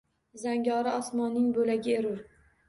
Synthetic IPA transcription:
zaŋɡʲɒɾɪɒsmɒnːɪŋbolaɡʲɪeɾʊɾ

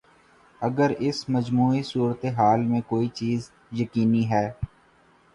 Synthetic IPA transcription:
əɡəɾɪsməd͡ʒmuːisuːɾət̪eɦaːlmẽkoːit͡ʃiːz | jəkiːniɦɛː

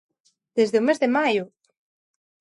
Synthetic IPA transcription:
d̪̥ezðeumezðemajʊ

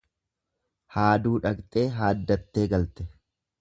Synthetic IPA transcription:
haːd̪uːᶑɐkt̪ʼeːɦaːd̪ːɐt̪ːe̞ːɡɐlt̪ɛ

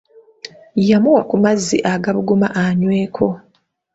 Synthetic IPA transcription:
jamuwakumazːiʔaɡaβuɡuma̰ʔaɲweːkʰo̞

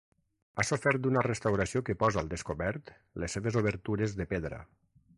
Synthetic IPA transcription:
asofɛɾt̪̚d̪unərest̪awɾasiokəpɔzalˠd̪eskoβɛɾt̪ | lesːeβezoβ̞əɾt̪uɾezðepeðɾə̰

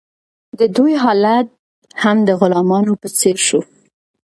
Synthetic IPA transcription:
d̪əd̪ujɦɑlat̪̚ | hamd̪əɣʊlɑmɑnopət͡seɾʃu

